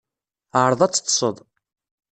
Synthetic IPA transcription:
ʕɾˤəðˤæt͡sːə̥t̪ˤːsˤəðˤ

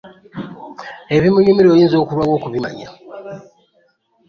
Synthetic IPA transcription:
e̞βimuɲumiɾoːjiːnzo̞ːkuɾwawo̞ːkuβima̰ɲa̰

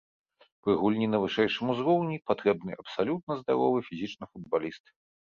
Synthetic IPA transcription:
pɾɨɣulʲnʲinɐvɨʂɛjʂɨmuzɾɔwnʲipat̪ɾɛbnɨʔɐpsalʲut̪̚nɐzd̪a̰ɾɔ̰vɨfʲizʲit͡ʂnɐfud̪balʲist̪ɨ

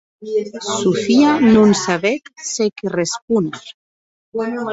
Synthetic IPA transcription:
sufianunsaβetsekerespun

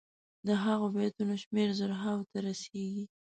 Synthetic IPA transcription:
d̪əɦaɣobet̪unoʃmeɾzʊɾɦawt̪aɾaseɡi

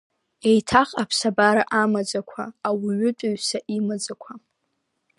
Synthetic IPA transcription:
ejtʰaχʼapʰsabaɾaʔamad͡zakʷʰaːwiɥʏtʷʼaɥsaʔimad͡zakʷʰa

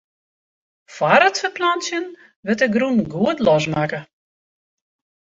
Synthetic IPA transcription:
faɾətfəplansjən | ʋɪtəɡrunɡuətlɔs̬makə

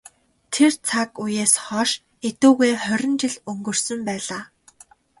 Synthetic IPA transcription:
t̪ʰert͡sʰakujeːsχɔːʃ | et̪uːɣeːχœɾʲɪ̆nt͡ɕɪ̆ɮɵŋɡɵ̆r̥sɵ̆mpæːɮaː

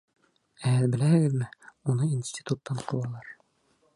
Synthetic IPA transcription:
æælbɘ̆læhɘ̆ɡɘðmɘunɤinsʲtʲi̥t̪ut̪ːɑɴqʰɤ̆lˠɑlˠɑɾ

